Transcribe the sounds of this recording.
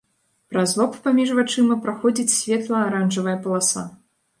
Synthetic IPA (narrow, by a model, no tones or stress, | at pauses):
pɾazlˠɔppamʲiʐvat͡ʂɨmɐpɾaxɔd͡zʲit͡sʲsʲvʲɛt̪lˠɐːɾanʐɐvɐjɐpɐlˠasa̰